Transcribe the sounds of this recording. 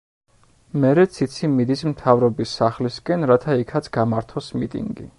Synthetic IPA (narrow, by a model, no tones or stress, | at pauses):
mɛɾɛt̪sʰit̪sʰimid̪ismt̪ʰavɾɔbisaχliskʼɛnɾat̪ʰaikʰat̪sʰɡamaɾt̪ʰɔsmit̪ʼḭŋɡḭ